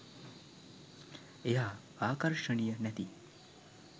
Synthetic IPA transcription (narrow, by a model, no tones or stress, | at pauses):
eɦa | akəɾʂəɳijənjɛt̪i